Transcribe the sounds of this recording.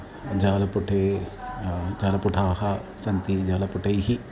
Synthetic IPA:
d͡ʒaːlɐpuʈʰeː | d͡ʒaːlɐpuʈʰaːhɐsɐnt̪id͡ʒaːlɐpuʈɐjɦi

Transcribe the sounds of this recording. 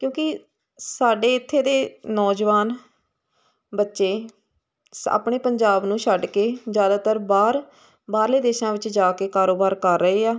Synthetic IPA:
kjõːkɪ | saːɖeːɪt̪ʰːeːd̪eːnɔːd͡ʒʋaːn | bətːʃeː | sa̰ːpɳeːpəɲd͡ʒaːbnũːʃʰəɖkeːd͡ʒjaːd̪aːt̪əɾbaːɾ | baːɾleːd̪eːʃãːʋɪt͡ʃd͡ʒaːkeːkaːɾoːbaːɾkəɾːəeːaː

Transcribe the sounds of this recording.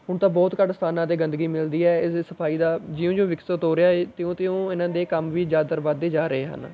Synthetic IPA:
ɦʊɳt̪ãːbɔːt̪kəɖst̪ʰaːnãːd̪eːɡə̃nd̪əɡiːmɪld̪iːɛːɪssəpʰaːiːd̪aːd͡ʒɪõːd͡ʒõːʋɪksət̪ɦoːɾɪjaːeːt̪ɪõːt̪ɪõːɪnãːd̪eːkəmʋiːd͡ʒaːd̪əɾbaːd̪eːd͡ʒaːɾəeːɦə̰n

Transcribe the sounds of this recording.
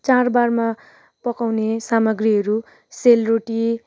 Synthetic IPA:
t͡sarbarma | pʌkawnesamʌɡriɦʌɾu | selroʈi

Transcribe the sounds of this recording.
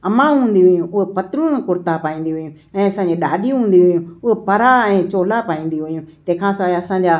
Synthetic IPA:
ɐmãːɦũːn̆d̪iɦʊijũʊɦepɐt̪ɾũnkʊɾt̪apaːĩːn̆d̪iɦʊjũ | ɛ̃ːɐsãːɲd͡ʑiɗaːɗijũɦũːn̆d̪iɦʊijũʊɦepɐɾaɛ̃ːt͡ɕoːlapaːĩːn̆d̪iɦʊijũt̪ɛ̃ːkʰãːsaɐsãːɲd͡ʑaː

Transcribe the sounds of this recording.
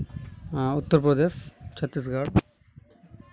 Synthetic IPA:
ut̪ːɐɾpɾɐd̪eːʃt͡ʃʰɐt̪ːis̬ɡaːɽ

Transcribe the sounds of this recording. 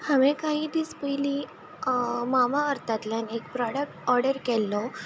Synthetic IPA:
hamẽkaɦiːd̪iːspəjli | mamaəɾt̪at̪lanek̚pɾɔɽək̚ʈɔɾɽəɾkɛlːɔ

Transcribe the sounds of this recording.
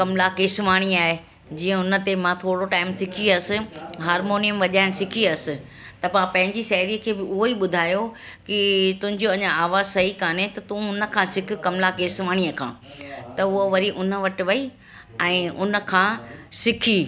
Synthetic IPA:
kɐmlakeːsʋaːɽ̃iaːɦe | d͡ʑiːə̃ʊnə̆t̪emãt̪ʰoːɽoʈaːɪmsɪkʰiɐsɪ̆ɦaːɾmoːnijəmʋɐʄaːɪnɪ̆sɪkʰiɐsɪ̆ | t̪ɐpaãpɐ̃ɦɪ̃ɲd͡ʑiʃɐɦɪɾiəkʰeːbɪʊɦoiːɓʊd̪ʱaːjo | kɪt̪ʊ̃ɦɪ̃ɲd͡ʑoɐɲãaːʋaːzsɐɦikaːnet̪ɐt̪ũːʊnə̆kʰãːsɪkʰɪ̆kɐmlakeːsʋaːɽ̃iəkʰã̰ːt̪ɐʊɦoʋɐɾiʔʊnə̆ʋɐʈɪ̆ʋɐi | ɛ̃ːʊnə̆kʰãːsɪkʰiː

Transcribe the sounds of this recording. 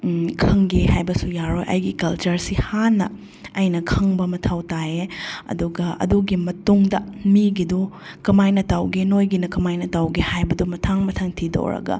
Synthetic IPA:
kʰɐŋɡehajbɐsujaɾojʔɐ̰jɡikɐlt͡ʃɐɾsihanːɐ | ɐjnɐkʰɐŋbɐmɐtʰawtaeɐ̰duɡɐɐ̰duɡimɐtuŋdɐmiɡido | kɐmajnɐtawɡenojɡinɐkɐmajnɐtawɡehajbɐdumɐtʰaŋmɐtʰɐŋtʰido̰ɾɐ̰ɡɐ̰

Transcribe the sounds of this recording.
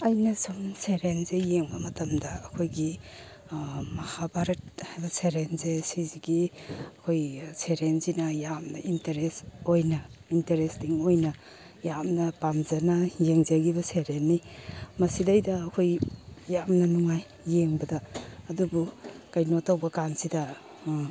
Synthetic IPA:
ɐjnɐsumseɾenzejeŋbɐmɐtɐmdɐːkʰojɡi | mɐhabaɾɐt̚hajbɐseɾenzesiziɡiɐkʰojseɾenzinɐjamnɐintɐɾesojnɐintɐɾesdiŋojnɐ | jamnɐpamzɐnɐjeŋzɐɡibɐseɾenːimɐsidɐjdɐːkʰojjamnɐnuŋajː | eŋbɐdɐːdubukɐjnotɐwbɐkansidɐ

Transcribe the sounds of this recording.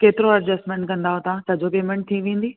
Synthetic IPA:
keːt̪ɪɾoɐɾd͡ʑɐsʈmẽɳʈkɐ̃nd̪aɦot̪ãsɐd͡ʑopeːmɛ̃ɳʈ̚t̪ʰĩʋẽːn̆d̪iː

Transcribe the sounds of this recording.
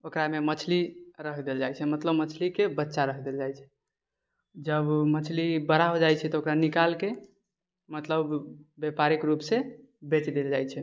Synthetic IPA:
okɾamemət͡ʃʰliɾəkʰd̪eld͡ʒajt͡ʃʰɛmət̪ləbmət͡ʃʰlikebətːʃaɾəkʰd̪eld͡ʒajt͡ʃʰɛ̥ | d͡ʒəbmət͡ʃʰlibəɾaɦod͡ʒajt͡ʃʰɛt̪ɔokɾanikalke | mət̪ləbːepaɾikɾupse | bet͡ʃd̪eld͡ʒajt͡ʃʰɛ

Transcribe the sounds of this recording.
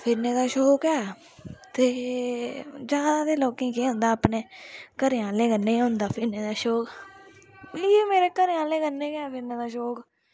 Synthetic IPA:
pʰɪɾneːd̪aːʃoːkɛː | t̪eː | d͡ʒaːd̪aːd̪eːloːkẽːkeːʊ̃nd̪aːpneːkəɾjãːleːɡənːẽːɦõːnd̪aːpʰɪɾneːd̪aːʃoːk | iːmeːɾeːkəɾjãːleːɡənːẽːɡɛːpʰɪɾneːd̪aːʃoːk

